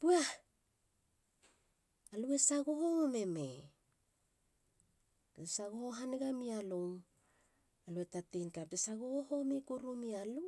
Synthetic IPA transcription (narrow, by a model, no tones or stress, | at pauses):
pua | alue̞saɡohome̞me | esaɡohoɦaneɡamialoŋ | aluetatenkap̚desaɡohohomekuɾumialu